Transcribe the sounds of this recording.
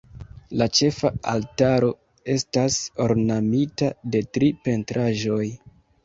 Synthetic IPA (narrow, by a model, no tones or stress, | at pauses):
lat͡ʃe̞faa̰ltaɾo̞ | e̞staso̞ɾnamitade̞tɾipe̞ntɾʔaʒo̞j